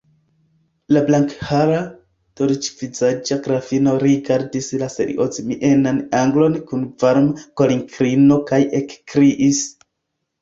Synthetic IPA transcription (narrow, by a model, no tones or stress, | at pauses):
lablaŋkhaɾa | toɾt͡ʃvizad͡ʒaɡɾafino̞ɾiɡaɾdislasḛɾḭʔozmiʔenanaŋɡlo̞nkunvaɾmkoliŋkɾino̞kajekkɾiʔis